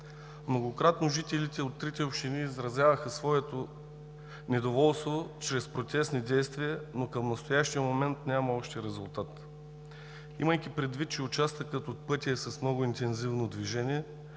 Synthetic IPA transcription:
mnoɡokɾat̪noʒit̪ɛlit̪ɛot̪ːɾit̪ɛopʃt̪iniːzɾɐzʲjavəxəsvɔɛt̪o | nɛd̪ovɔlˠst̪vot͡ʃɾɛspɾot̪ʲɛsnid̪ɛjst̪viənokəmnɐst̪ojaʃt̪iəmomɛnt̪nʲamɐɔʃt̪ɛɾɛzʊlˠt̪at̪ | iməjkipɾɛd̪vit̪̚t͡ʃɛʊt͡ʃast̪vəkət̪ot̪̚pɤt̪ʲiɛsɐsmnɔɡʊint̪ɛnzivnod̪viʒɛnʲiɛ

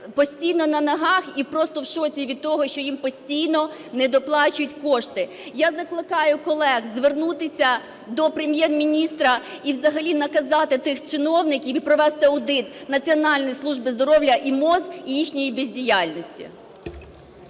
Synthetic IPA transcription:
pɔsʲtʲijnɔnɐnɐɦɑxipɾɔst̪ɔwʃɔt͡sʲiʋʲid̪̚t̪ɔɦɔʃt͡ʃɔjimpɔsʲtʲijnɔ | nɛd̪ɔplˠɑt͡ʃʊjʊtʲkɔʃt̪ɪ | jazɐklˠɪkɑjʊkɔlˠɛɣzʋernut̪ɪsʲɐ | d̪ɔpɾemʲjɛrmʲinʲist̪ɾɐiwzɐɦɐlʲinɐkɐzɑt̪ɪt̪ɪxt͡ʃɪnɔwnɪkʲipɾɔʋɛst̪ɪɐwd̪ɪt̪nɐt͡sʲiɔnɑlʲnɔjislˠuʒbɪzd̪ɔɾɔwlʲɐʔimɔzijixnʲɔjibezʲdʲijɑlʲnɔsʲtʲḭ

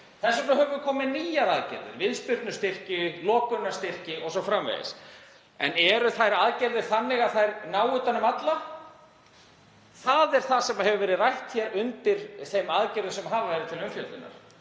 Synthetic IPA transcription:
θɛsːʏnaɦœvʏkʰɔːmɪniːjaɾaðcɛ̰ɾðɪ̰ɾvɪðspjʏɾt̪nʏst̪ɪr̥cɪlɔːkʏnːaɾ̥st̪ɪr̥cɪʔɔɣsɔfɾamvḛjɪ̰s | ɛ̰nɛɾʏθajɾaðcɛɾðɪɾ̥θanːɪɣaθajɾnaːwʏt̪anʏmat̪la | θaðɛɾ̥θasɛmaɦɛvʏvɛɾɪðrajht̪θjɛɾʏnt̪ɪɾθejmaðcɛɾðʏnsɛmɦaːvavɛɾɪt̪ʰɪlʏmfjœlt̪ʏnːa̰ɾ̥

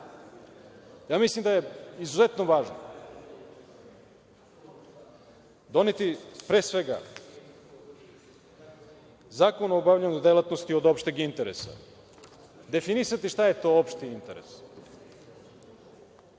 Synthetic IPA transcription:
jaːmislˠimd̪aje̞izuze̞t̪noʋaːʒno | d̪o̞net̪ipɾe̞ːsʋe̞ɡa̰ | zaːkonoobavʎaɲud̪elat̪nost̪iod̪o̞pʃt̪eɡint̪eɾḛsa̰ | d̪e̞finisat̪iʃt̪ajet̪o̞ːopʃt̪iint̪eɾḛs

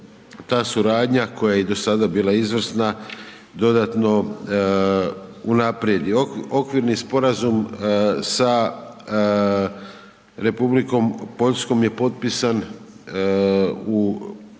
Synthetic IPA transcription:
t̪aːsuɾaːd̪ɲako̞jajed̪o̞sad̪abiːlˠaizʋr̩sna | d̪o̞d̪at̪no̞ | unapɾje̞d̪io̞kʋiɾnispo̞ɾazumsa | ɾe̞publiko̞mpo̞ʎsko̞mje̞po̞t̪̚pisan | u

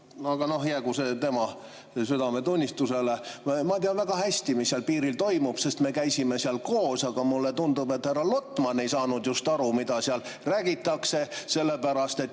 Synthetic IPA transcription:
ɑɡ̥ɑno̞hjækuset̪e̞mɑ | syd̪ɑme̞t̪unʲːist̪use̞lemɑt̪iɑvæɡ̥ɑhæsʲt̪imisːiɑlpiːɾilt̪o̞jmub̥se̞st̪me̞kæjsime̞siɑlko̞ːsɑɡ̥ɑmulːet̪und̪ub̥e̞t̪hærɑlo̞t̪ːˑmɑnːe̞jsɑːnud̪̥just̪ɑɾumid̪ɑsiɑlræːɡ̥it̪ːˑɑkse̞se̞lːepæɾɑst̪e̞t̪ː

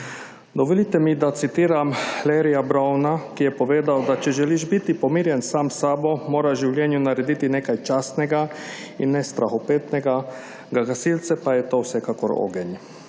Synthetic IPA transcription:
d̪oʋolit̪ɛmid̪at̪sit̪iːɾamleɾijabɾawnakijɛpoʋeːd̪awd̪at͡ʃɛʒɛliʃbit̪ipomiːɾjɛnsaːmsabomoːɾaʒiwlʲjɛːnjunaɾɛd̪it̪inekajt͡ʃast̪nɛɡa | inːɛst̪ɾaxopeːt̪nɛɡa | ɡaɡasilt̪sɛpajɛt̪owsɛkako̰ɾo̰ɡɛɲ

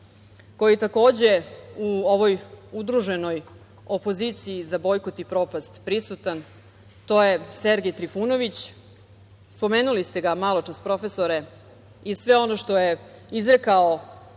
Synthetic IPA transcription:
ko̞jit̪ako̞ːd͡ʑe̞uo̞ʋo̞jud̪ɾuʒe̞no̞j | o̞po̞zit̪siːzabo̞jko̞t̪ipɾo̞past̪pɾisut̪an | t̪o̞je̞seɾɡejt̪ɾifuno̞ʋit͡ɕ | spo̞me̞ːnulist̪e̞ɡamalˠo̞t͡ʂaspɾo̞fe̞so̞ɾe̞ | isʋe̞o̞no̞ʃt̪o̞jeizɾekao

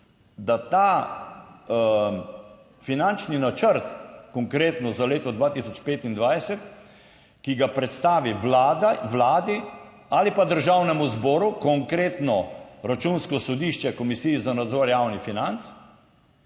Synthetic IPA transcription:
d̪at̪aː | finant͡ʃninat͡ʃəɾt̪̚kɔŋkɾeːt̪nɔzaleːt̪ɔd̪ʋaːt̪isɔt͡ʃpeːt̪ind̪ʋajsɛt̪ | kiɡapɾɛt̪st̪aːʋilad̪aʋlaːd̪i | alipad̪əɾʒawnɛmuzbɔːɾukɔŋkɾeːt̪nɔɾat͡ʃunskɔsɔd̪iːʃt͡ʃɛkɔmisiːjizanad̪zɔːɾjaːwnifinant̪s

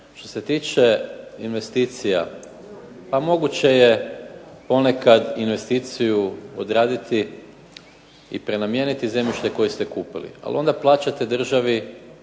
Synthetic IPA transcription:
ʃt̪o̞̥se̞t̪iːt͡ʃe̞inʋe̞st̪iːt̪sija̰ | pamo̞ɡut͡ɕe̞je | po̞ne̞kad̪inʋe̞st̪iːt̪sijuo̰d̪ɾaːd̪it̪i | ḭpɾe̞namje̞nit̪ize̞mjiʃt̪e̞ko̞jist̪e̞kuːpilḭa̰lio̞nd̪aplˠaːt͡ʃat̪ed̪r̩ʒaʋi

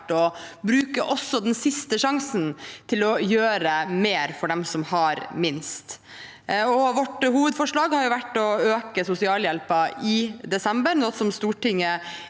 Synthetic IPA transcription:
ʈɔbɾʉːkəʔɔsːɔd̪ɛnsɪst̪əʂɑŋsənt̪ʰɪlɔjøːɾəmeːɾfɔɖɛmsɔmhɑɾmɪnst̪ | ɔʋɔʈhuːʋəd̪fɔʂɭɑːɡhɑɾjʊʋæʈːɔøːkəsʊsɪɑːljɛlpəɪd̪ɛsɛmbəɾnɔsɔmst̪uːʈɪŋːə

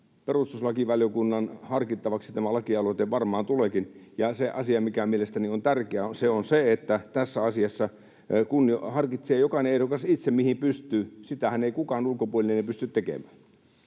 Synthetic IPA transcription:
perust̪uslɑkiʋɑljokunːɑnhɑrkit̪ːɑʋɑksit̪æmælɑkiɑlot̪eʋʋɑrmɑːnt̪ulekinjɑseʔɑsiɑmikæmielest̪æniont̪ærkeæonseonseet̪ːæt̪æsːæɑsiɑsːɑ | kunːohɑrkit̪seːjokɑneeɾokɑsit̪semmihimpyst̪yːsit̪æhæneikukɑːnulkopuolʲinenepyst̪yt̪t̪ekḛmæːn

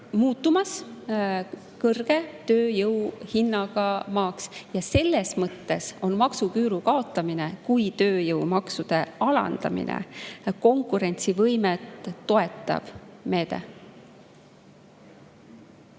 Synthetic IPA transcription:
muːt̪ˑːumɑs | kɤrɡ̥e̞t̪øːjɤwhinːɑɡ̥ɑmɑːksjɑse̞lːesmɤt̪ːe̞so̞nmɑksukyːɾukɑo̞t̪ːˑɑminekujt̪ø̞ːjɤwmɑksud̪̥e̞ɑlɑ̰nd̪̥ɑ̰mḭnʔḛko̞ŋkˑuɾe̞nʲt̪sivɤjmet̪ːo̞e̞t̪ːˑɑ̰b̥me̞ːd̪e̞̰

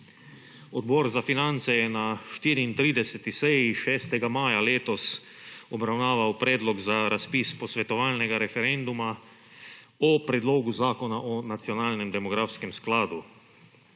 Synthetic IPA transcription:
ɔd̪̚bɔːɾzafinant̪sɛjɛnaʃt̪iːɾiːnt̪ɾiːd̪ɛsɛt̪isɛjiʃɛːst̪ɛɡamaːjaleːt̪ɔs | ɔbɾawnaːʋawpɾɛːd̪lɔɡzaɾaspiːspɔsʋɛt̪ɔʋaːlnɛɡaɾɛfɛɾɛnd̪uma | ɔpɾɛd̪loːɡuzaːkɔnaʔɔnat̪sjɔnaːlnɛmd̪ɛmɔɡɾaːfskɛmsklaːd̪u

